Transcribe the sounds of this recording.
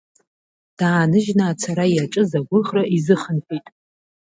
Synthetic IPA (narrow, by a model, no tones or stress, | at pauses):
d̥aːnɨʒnaːt͡sʰaɾajat͡ʃʼɨzaɡʷʊχraʔizɨχənpʰitʼ